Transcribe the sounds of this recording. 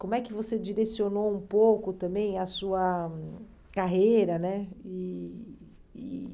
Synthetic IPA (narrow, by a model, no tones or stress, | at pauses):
kõmʊɛkɪvosed͡ʒiɾesionowũpowkʊt̪ɐ̃bẽj̃ɐsuɐ | kaɦejɾɐnɛi